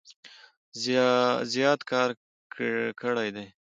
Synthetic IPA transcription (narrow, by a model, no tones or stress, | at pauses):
zjɑt̪kɑɾ | kkʰəɽajd̪ej